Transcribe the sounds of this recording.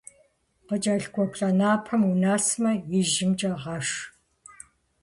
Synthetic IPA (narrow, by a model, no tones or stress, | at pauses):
qət͡ʃʼɐɬɡʷɔpɬʼɐnaːpʰɐmunaːsmɐjɪʒɪmt͡ʃʼɐʁɐʂ